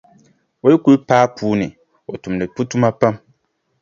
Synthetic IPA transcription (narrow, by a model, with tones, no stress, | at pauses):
o˦i˦ku˦ɾpaː˦pʰuː˦nɪ˨ | o˨tu˨m˨dɨ˨pu˦tu˦ma˦pa˦m